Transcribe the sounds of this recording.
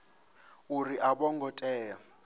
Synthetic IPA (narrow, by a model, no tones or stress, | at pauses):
uriʔaɓɔŋɡɔtʼɛːja